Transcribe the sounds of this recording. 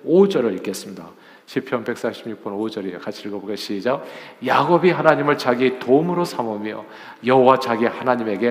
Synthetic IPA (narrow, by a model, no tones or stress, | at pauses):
od͡ʑʌɾɯik͈es͈ɯmɲida̰ | ɕʰipʰjʌnbe̞k̚s͈aɕʰimɲuk̚p͈ʌnod͡ʑʌɾikat͡ɕʰiɯɭkʌboɡeɕʰiːd͡ʑajaɡobiɦanaɲimɯɭt͡ɕaɡietomɯɾosʰamumjʌ̰ | jʌɦowat͡ɕaɡehanaɲime̞ɡe̞